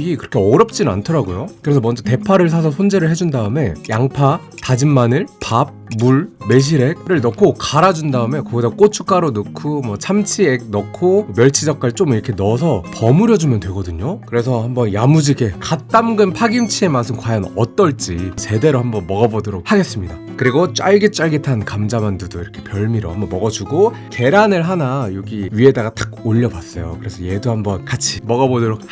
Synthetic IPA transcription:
ikɯɾʌkʰe̞ʌɾʌp̚t͡ɕ͈inɯna̰ntʰʌɾaɡojokɯɾe̞sʰʌmʌnd͡ʑʌte̞pʰaɾɯɭs̬ʰas̬ʰʌsʰond͡ʑe̞ɾɯɭhɦe̞d͡ʑundaɯme̞jaŋpʰa | tad͡ʑinmanɯɭpab̚muɭme̞ɕ̬ʰiɾe̞k̚ɾɯɭnʌkʰokaɾad͡ʑundaɯme̞kʌɡidak͈ot͡ɕʰu̥k͈aɾonokʰumwʌt͡ɕʰamt͡ɕʰieɡ̚nʌkʰomjʌɭt͡ɕʰid͡ʑʌk̚k͈aɭt͡ɕ͈omiɾʌkʰe̞nʌs̬ʰʌpʌmuɾjʌd͡ʑumjʌndwe̞ɡʌdɯɲokɯɾe̞sʰʌhambʌnjamud͡ʑiɡe̞kat͈amɡɯnpʰaɡimt͡ɕʰie̞mas̬ʰɯmkwajʌnʌt͈ʌɭt͡ɕ͈it͡ɕe̞de̞ɾohambʌnmʌɡʌbodoɾok̚haɡe̞s͈ɯmɲida | kɯɾiɡot͡ɕ͈aɭɡet͡ɕ͈aɭɡetʰankamd͡ʑamandudoiɾʌkʰe̞pjʌɭmiɾo̰hambʌnmʌɡʌd͡ʑuɡo | ke̞ɾanɯɭɦanajoɡiɥie̞daɡat͈ʰak̚oʎːʌbwas͈ʌjokɯɾe̞sʰʌje̞dohambʌnkat͡ɕʰimʌɡʌbodoɾok̚

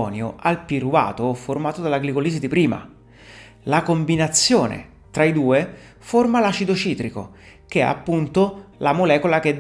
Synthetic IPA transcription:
ɔːnjoʔalpiruva̰ːt̪oformaːt̪od̪alaɡlikoliːzid̪ipɾiːma̰ | lakombinat̪sːjoːnḛ | t̪ɾaid̪uːe | formalat͡ʃid̪ot͡ʃiːt̪ɾiko̰ | k̟eɛ̰a̰pːunt̪olamolɛːkolaked̪

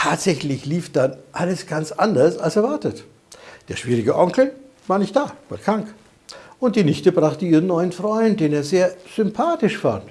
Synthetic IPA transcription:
tʰaːtz̥ɛçlɪçliːfd̥anʔaləsɡ̥ant͡sʔandɐsalsɛɐvaɐtət | d̥eːɐʃv̥iːʁɪɡəʔɔŋkl̩ | vaːɐnɪçt̚d̥aːv̥akʰʁ̥aŋk | ʔʊnt̚d̥iːnɪçtəbʁaχtəiːʁənːɔʏənfʁ̥ɔʏnt̚d̥eːneːɐzeːɐz̥ʏmpʰaːtɪʃfa̰nt

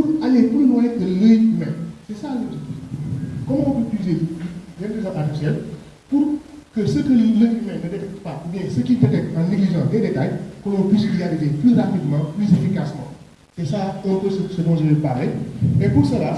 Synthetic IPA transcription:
pualeplylwɛ̃dələjymɛ̃msɛsalət̪ut | kɔmãpøpyizedɛ̃ndezãatifisjɛl | purkəsəkələjymɛ̃mnədetɛk̚t̪ə̥paʔubjɛ̃səkipɛtɛkt̪ãliɡliʒãdɛdetajkɔ̃lɔ̃pɥis̬dializeplyrapidmɑ̃plyzẽfikasmɑ̰̃ | sɛsaɛ̃pəsəsədɔ̃ʒəlepaleepursəla

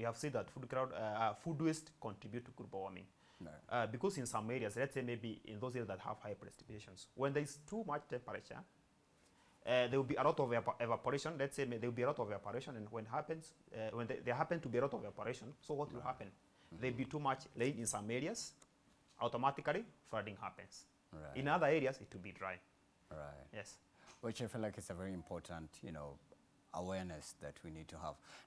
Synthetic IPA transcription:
wihæv̥sĩd̪ðətfudkɹaʊdfudwɪstkɔ̃ntʰɹ̥ibjutʰːuɡud̚bɔɔmɪ̰̃ŋ | ʔbikɔzɨ̃nsãmɛɹiaslɛtseɪmeɪbiɪ̰̃nðoʊzizðət̚hə̰v̥haɪpɹɛsi̥peʃɔ̃nswɛ̃nðɛɪz̥tʰumat͡ʃtɛ̃paɹɛʃə̰ | ðewlbiəlɔtɔvɛvapəɹeʃɔ̃nlɛtseɪmeðewlˠbiəlaʊtɔvɔpəɹeʃɔ̃nɨ̃nwɛ̃nɦapnswɛ̃nððɛɦæpɨ̃ntʰɨbiɨlaʊtɔvapəɹeʃɔ̃nsoʊwɔtwɪlˠhapɨ̃n | ðelˠbitumat͡ʃlẽnɪ̃nsãmɛɹiaz̥ | ʔaʊtɔmatɪklˠifɹadɪ̃ŋhæpɨ̃nz̥ | ɹaʔɪ̃naðə˞ɛɹiazɪtwɨlbidɹaɪɪ̃ŋ | ɹa̰ɪt̚jɛs | wɪt͡ʃaɪfilaɪkɨtsəvɛɹiɨ̃mpʰɔɹtʰə̃ntjɨ̰no̰ʊ | ə̰wɛɹnɨsðɨtʰwinid̚tʰuə̰v̥

